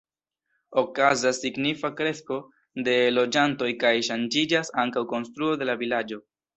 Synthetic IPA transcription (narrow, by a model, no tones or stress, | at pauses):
o̞kazasːiɡnifakɾe̞sko̞ | de̞lo̞d͡ʒanto̞jkajʃand͡ʒid͡ʒasaŋkawko̞nstɾuo̞de̞lavilad͡ʒo̞